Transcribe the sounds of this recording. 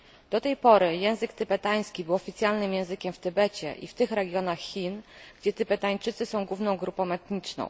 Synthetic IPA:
d̪̥ɔt̪ɛjpɔɾɘjɛ̃w̃zɘkt̪ɘbɛt̪aj̃skʲibɘwɔfʲit̪sʲjalnɘmjɛ̃w̃zɘkʲɛmft̪ɘbɛt͡ɕɛ̰ʔḭft̪ɘxɾɛɡʲjɔnaxxːʲinɡ̥d͡ʑɛt̪ɘbɛt̪aɲt͡ʂɘt̪sɘsɔ̃w̃ɡwuvnɔ̃w̃ɡɾupɔ̃w̃ɛt̪ɲit͡ʂnɔ̰̃w̃

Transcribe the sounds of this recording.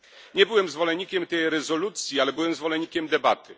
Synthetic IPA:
ɲɛbɘwɛmzvɔlɛɲːikʲɛmt̪ɛjɾɛzɔlut̪sʲjialɛbɘwɛmzvɔlɛɲːikʲɛmd̪ɛbat̪ɘ

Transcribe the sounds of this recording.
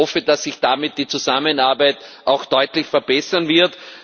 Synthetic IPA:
ɔfəd̥asːɪçd̥amɪt̚d̥iːt͡suzamənaɐbaɪtʔaʊxd̥ɔʏtlɪçfɛɐbɛsɐnvɪɐt

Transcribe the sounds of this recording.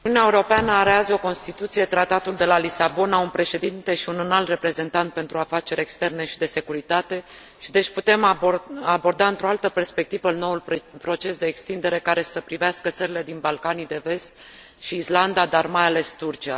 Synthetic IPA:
uniuneaeuɾo̞peanəaɾeazo̞ko̞nst̪it̪ut̪sije̞t̪ɾat̪at̪uld̪e̞lalisabo̞naunpɾe̞ʃe̞d̪int̪e̞ʃiunɨnalt̪re̞pɾe̞ze̞nt̪ant̪̚pe̞nt̪ɾuafat͡ʃe̞ɾʲe̞kst̪e̞rne̞ʃid̪e̞se̞kuɾit̪at̪e̞ | ʃid̪e̞t͡ʃʲput̪e̞mabo̞rd̪aɨnt̪ɾo̞alt̪əpe̞rspe̞k̚t̪ivəno̞wulpɾo̞t͡ʃe̞sd̪e̞ːkst̪ind̪e̞ɾe̞kaɾe̞səpɾiveaskət̪səɾile̞d̪inbalkanid̪e̞ve̞st̪ | ʃiːsland̪ad̪armajale̞st̪urt͡ʃia

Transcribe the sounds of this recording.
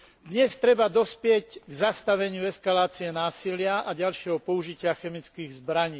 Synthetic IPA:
d̪ɲɛst̪ɾɛbad̪ɔspɪɛcɡzast̪aʋɛɲɪuɛskalaːt͡siɛnaːsilɪaʔaɟalʃɪɛɦɔpɔuʒicɪaxɛmit͡skiːɣzbɾaɲiː

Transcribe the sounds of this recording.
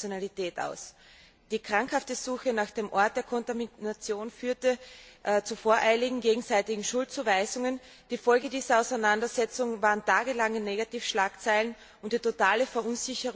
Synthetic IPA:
jonalitɛːta̰ʊs | d̥iːkʁ̥aŋkhaftəzuːxənaːxd̥eːmʔɔɐt̚d̥eːɐkʰɔntaminat͡sjoːnfyːɐtəʔt͡sufoːɐʔaɪlɪɡŋ̩ɡeːɡŋ̩zaɪtɪɡŋ̩ʃʊlt̚t͡suːvaɪzʊŋən | d̥iːfɔlɡədiːzɐaʊsaɪnandɐzɛt͡sʊŋvaːʁəntʰaːɡəlaŋəneːɡatiːfʃlaːkt͡saɪlən | ʊntd̥iːtotaːləfɛɐʔʊnzɪçəʁ

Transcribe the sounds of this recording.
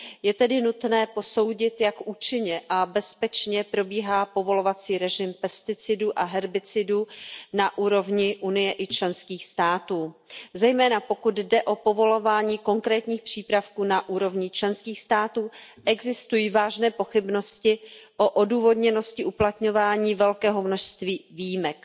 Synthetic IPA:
jɛt̪ɛdɪnut̪nɛːpo̞so̞wɟɪt̪jakʔuːt͡ʃɪɲɛʔabɛspɛt͡ʃɲɛpɾo̞biːɦaːpo̞vo̞lo̞vat͡siːɾɛʒɪmpɛst̪ɪt͡sɪduʔaɦɛɾbɪt͡sɪdunaʔuːɾo̞vɲɪʔunɪjɛʔɪt͡ʃlɛnskiːxst̪aːt̪uːzɛjmɛːnapo̞kud̪dɛʔo̞po̞vo̞lovaːɲiːko̞ŋkɾɛːt̪ɲiːxpr̝̥iːpɾafkuːnaʔuːɾo̞vɲɪt͡ʃlɛnskiːxst̪aːt̪uːʔɛɡzɪst̪ujivaːʒnɛːpo̞xɪbno̞scɪʔoʔoduːvo̞dɲɛno̞scɪʔuplat̪ɲo̞vaːɲiːvɛlkɛːɦo̞mno̞ʃst̪viːviːjɪmɛk

